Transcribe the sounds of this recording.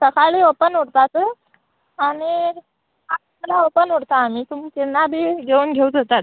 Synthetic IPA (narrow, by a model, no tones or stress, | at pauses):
səkaɭiːopənuɽt̪at̪ | aɽ̃i | at | əlaopənuɽt̪aːm̤iːt̪umt͡ɕinːabʱiːɡeuːnɡʱeud͡zət̪at̪